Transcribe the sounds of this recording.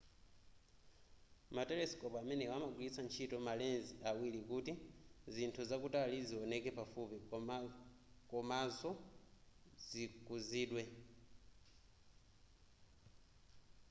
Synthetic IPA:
mateleskopamɛnewamaɡwiit͡sant͡ʃʰitomalenziʔawilikutizintʰuzakutaliziwonekepafupi | komazɔ | zikuziːɗwe

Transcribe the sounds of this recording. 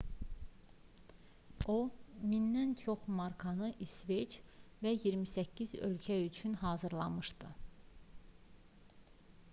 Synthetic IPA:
ominːænt͡ʃʰo̞χmɑɾkʰɑnɯʔisvet͡ʃvæjiɾmisæcʰːizø̰lcʰæyt͡ʃʰynɦɑːzɯɾlˠɑmɯʃd̪ɯ

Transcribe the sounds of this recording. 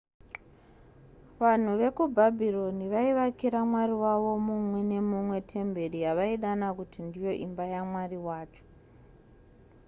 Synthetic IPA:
ʋan̤uʋe̞kubʱabʱilo̞niʋaiʋakiɾamwariwaʋo̞mumwe̞ne̞mumwe̞tʰe̞mbe̞ɾijaʋaiɗanakutindijo̞ʔimbajamwariwaːt͡ʃo̥

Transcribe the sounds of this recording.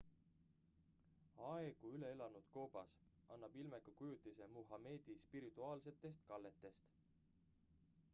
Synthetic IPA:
ɑeɡ̥uyle̞elɑnud̪̥ko̞ːb̥ɑs | ʔɑnːɑb̥ilmekukujut̪ːˑise̞muɦɑme̞ːd̪̥ispiɾit̪ːˑuɑːlse̞t̪ːˑe̞st̪kɑlːe̞t̪ːe̞st̪

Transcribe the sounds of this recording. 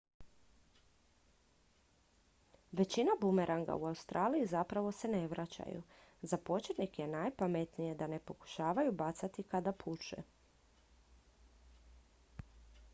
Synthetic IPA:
ʋe̞t͡ɕinabume̞ɾʔaŋɡa̰uaust̪ɾʔaːlijizapɾaʋo̞se̞ne̞ʋɾʔat͡ɕa̰jṵzapo̞t͡ɕet̪nikje̞najpamet̪nije̞d̪ane̞po̞ku̥ʃaːʋajubat̪sat̪ikad̪apʰut͡ʃḛ

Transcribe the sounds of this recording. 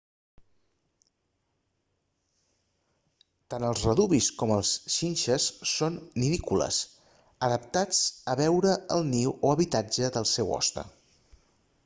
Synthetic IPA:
t̪anəlˠzrəðuβiskɔməlˠsʃinʲʃəsːonːiðikulə̰s | əðəp̚t̪at͡səβɛwɾəəlˠniwoəβit̪ad͡ʒəðəlˠsɛwɔ̰st̪ə̰

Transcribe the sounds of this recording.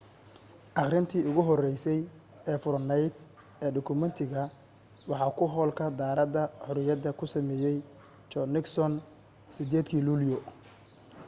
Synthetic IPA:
ʔɑχrɪnt̪ʰiːʊɣʊɦɔrɛjsɛj | ɛːfʊɾnɛjd̪̚ | ɛːɖɔkʰʊmɛnt̪ʰɪɣɐ | wɑħɑːkʰʊɦɔːlkʰɐd̪aːɾɐd̪ɐħʊɾʊjɐðɐkʰʊsɐmɛːjɛj | t͡ʃɔnɪksɔn | sɪd̪ɛːd̪kʰiːluːljɔ

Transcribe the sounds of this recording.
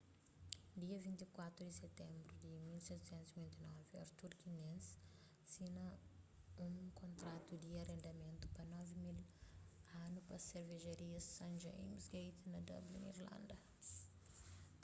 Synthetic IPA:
d̪iɐvĩnt̪ikwat̪ɾud̪iset̪ɛ̃mbɾud̪imilsɛt̪u̥sɛ̃nt̪uzivĩnt̪inɔviɐ̰ɾt̪uɾkinẽns | sinɐ | ũkõnt̪ɾat̪ud̪iɐrẽnd̪ɐmẽnt̪u̥pɐnɔvimil | anupɐseɾveʒɐɾiɐssɐ̃nd͡ʒeḭmsɡejt̪nɐd̪ɐ̰blṵnḭɾlɐ̰̃nd̪ɐ

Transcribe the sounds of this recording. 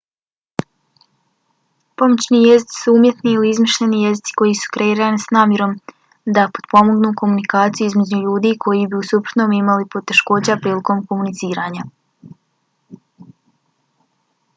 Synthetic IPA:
po̞mot͡ɕniːje̞zit̪i̥suumje̞t̪niiliizmiʃʎe̞nije̞zit̪si̥ko̞jisu̥kɾe̞iːɾanisnaːmje̞ɾo̞m | d̪apo̞d̪po̞mo̞ɡnuːko̞munikaːt̪sijuizmed͡ʑuʎuːd̪iːkʰo̞jibiusupɾo̥t̪noːmimalipot̪e̞ʃko̞ːd͡ʑapɾiːliko̞mko̞munit̪siːɾaːɲa

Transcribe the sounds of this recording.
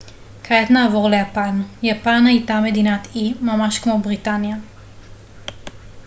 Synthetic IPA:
kʰajat̪naːvoʁlejapanjapanhajtame̞dinat̪imamaʃkmo̞bʁitanja

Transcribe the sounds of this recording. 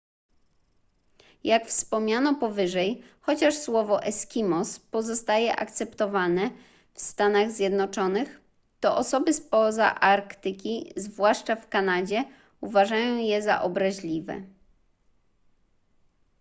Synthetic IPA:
jakfspɔmɲanɔpɔvɘʐɛj | xɔt͡ɕaʂswɔvɔʔɛskʲimɔspɔzɔst̪ajɛʔa̰kt̪sɛpt̪ɔvanɛ | fst̪anaɣzʲjɛd̪nɔt͡ʂɔnɘx | t̪ɔʔɔsɔbɘspɔza̰ʔaɾkt̪ɘkʲizvwaʂt͡ʂafkanad͡ʑɛ | uvaʐajɔ̃w̃jɛza̰ʔɔbɾaʑlʲivɛ̰

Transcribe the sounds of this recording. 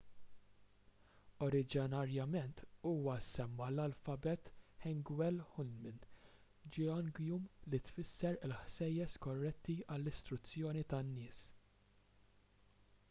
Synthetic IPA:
ɔɾɪd͡ʒɪnɐɾjɐmɛnt̪uːwɐsɛmːɐlɐlfɐbɛt̪ħɛŋɡwɛlħʊlmɪn | d͡ʒɔnɡjumlit̪fɪsːɛɾɪlħsɛjːɛskɔrːɛt̪ːiʔɐlːɪst̪ɾʊt͡sːjɔːnit̪ɐnːɪːs

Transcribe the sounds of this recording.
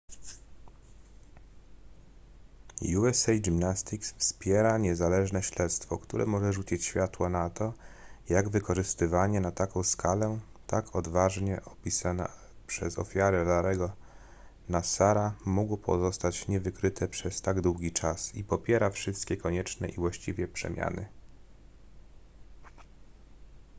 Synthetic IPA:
juɛsɛjdimnast̪iksfspʲjɛɾaɲɛzalɛʐnɛɕlɛt̪st̪fɔkt̪uɾʔɛ̰mɔʐɛʐut͡ɕit͡ɕɕfʲjat̪wɔnat̪ɔjaɡvɘkɔʐɘst̪ɘvaɲɛnat̪akɔ̃w̃skʰalɛ | t̪akʰɔd̪vaʐɲɛʔɔpʲisana̰ | pʂɛzɔ̰fʲjaɾɛlaɾɛɡɔ | nasaɾamuɡwɔpʰɔ̰zɔst̪at͡ɕɲɛvɘkɾɘt̪ʰɛpʂɛst̪aɡd̪wuɡʲit͡ʂasipɔpʲjɛɾafʂɘst̪kʲɛkɔɲɛt͡ʂnɛ̰ʔivwaɕt͡ɕivʲjɛpʂɛ̰mʲja̰nɘ̰

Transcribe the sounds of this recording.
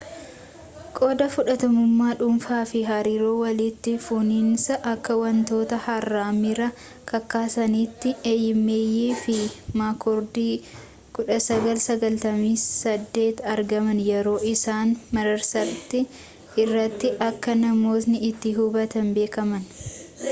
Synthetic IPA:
kʼo̞ːd̪ɐfʊᶑɐt̪ɐmʊmːaːᶑʊmfaːfɪɦɐɾiːɾoːwɐlɪt̪ːɪfʊnɪnsɐʔɐkːɐwɐnt̪o̞ːt̪ɐhɐrːaːmɪɾɐ | kɐkːaːsɐniːt̪ːɪeːjɪmːeːjiːfɪmaːkɔɾd̪iː | kʊᶑɐsɐɡɐlsɐɡɐlt̪ɐmiːsɐd̪ːe̞ːt̪ɐɾɡɐmɐnjɛɾo̞ːʔɪsaːnmɐɾɐɾsɐɾt̪ɪ | ɪrːɐt̪ːɪʔɐkːɐnɐmo̞ːt̪nɪɪt̪ːɪɦʊbɐt̪ɐnbe̞ːkɐmɐn

